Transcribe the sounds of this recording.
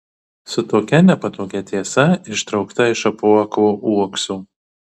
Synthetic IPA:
sʊt̪oːkʲɛnʲɛpɐt̪oːkʲɛt̪ʲiɛsɐɪʃt̪ɾɒʊkt̪ɐɪʃɐpuɔkʋoːʔuɔksuː

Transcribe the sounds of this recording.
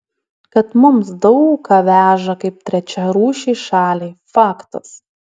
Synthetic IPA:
kɐt̪mʊmsd̪ɐʊkɑːʋʲæːʒɐkɐɪp̚t̪ʲɾʲɛt͡ʃʲɛɾuːʃʲiːʃɑːlʲiːfɑːkt̪ɐs

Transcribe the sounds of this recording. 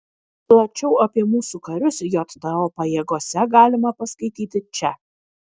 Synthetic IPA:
plˠɐt͡ʃʲɛʊɐpʲiɛmuːsukɐɾʲʊsjoːt̪d̪ɐoːpɐjeːɡoɔsʲɛɡɑːlʲɪmɐpɐskɐɪt̪ʲiːt̪ʲɪt͡ʃʲɛ

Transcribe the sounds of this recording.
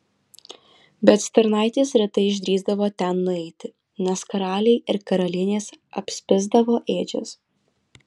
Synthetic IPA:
bʲɛt̪sʲt̪ʲɛɾnɑˑɪt̪ʲeːsɾʲɛt̪ɐɪɪʒʲd̪ʲɾʲiːzd̪ɐʋoːt̪ʲɛnːʊɛɪt̪ʲɪ | nʲɛskɐɾɑːlʲɛɪɪɾkɐɾɐlʲɪnʲeːsɐ̰pʲsʲpʲɪzd̪ɐʋoːʔeːd͡ʒʲo̰s

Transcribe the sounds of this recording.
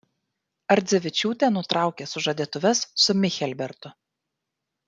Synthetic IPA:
ɐɾʲd̪zʲɛʋʲɪt͡ʃʲuːt̪ʲeːnʊt̪ɾɑˑʊkʲeːsʊʒɐd̪ʲiɛt̪ʊʋʲɛsːʊmʲɪxʲɛlʲbʲɛɾt̪ʊ

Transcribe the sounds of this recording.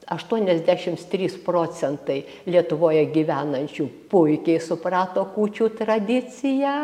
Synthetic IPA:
ɐʃt̪uɔnʲɛzʲd̪ʲæːʃʲɪmst̪ʲɾʲiːsproːt͡sʲɛnt̪ɐɪ | lʲiɛt̪ʊʋoːjɛɡʲiːʋʲæːnɐnʲt͡ʃʲuːpʊɪkʲɛɪsʊprɑːt̪oːkuːt͡ʃʲuːt̪rɐd̪ʲɪt͡sʲɪjæː

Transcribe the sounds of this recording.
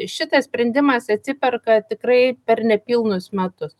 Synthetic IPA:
ʃʲɪt̪ɐssʲpʲɾʲɛnʲd̪ʲɪmɐsɐt̪ʲsʲɪpʲɛrkɐt̪ʲɪkɾɐɪpʲɛrnʲɛpʲiːlˠnʊsmʲɛt̪ʊs

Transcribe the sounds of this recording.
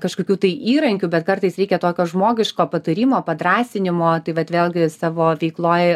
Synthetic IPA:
kɐʃkoːkʲuːt̪ɐɪʔiːɾɐŋʲkʲuːbʲɛt̪kɐrt̪ɐɪsɾʲɛɪkʲɛt̪oːkʲoːʒmoːɡʲɪʃkoːpɐt̪ɐɾʲiːmoːpɐd̪ɾɑːsʲɪnʲɪmoːt̪ɐɪʋɐt̪ʋʲeːlˠɡʲɪsɑːʋoːʋʲɛɪklˠoːj

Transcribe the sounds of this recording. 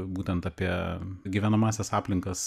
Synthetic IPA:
buːt̪ʲɛnt̪ɑːpʲiɛɡʲiʋʲæːnɐmɑːsʲɛsɑːpʲlʲɪŋkɐs

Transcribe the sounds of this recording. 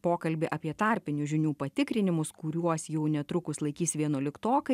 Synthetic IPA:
poːkɐlʲbʲɪʔɐpʲiɛt̪ɑɾʲpʲɪnʲʊʒʲɪnʲuːpɐt̪ʲɪkɾʲɪnʲɪmʊskʊɾʲuɔsjɛʊnʲɛt̪ɾʊkʊslˠɐɪkʲiːsʋʲiɛnuɔlʲɪkt̪oːkɐ

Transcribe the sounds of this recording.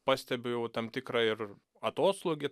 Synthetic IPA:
pɑːsʲt̪ʲɛbʲɪjɛʊt̪ɐmt̪ʲɪkɾɑɪr | ɐt̪oːslˠoːɡʲɪ

